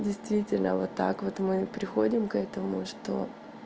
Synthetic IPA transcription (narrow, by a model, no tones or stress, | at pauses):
dʲɪjst̪vʲitʲɪlʲnəvot̪ːa̰kvo̞t̪mɨpɾʲɪxo̞dʲɪmkɛt̪əmʊ̰ʂt̪o̞̰